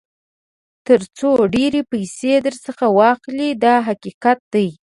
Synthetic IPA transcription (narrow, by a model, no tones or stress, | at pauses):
t̪əɾt͡soɖeɾepajsed̪əɾsəxawɑxlid̪ɑɦaqiqat̪̚d̪aj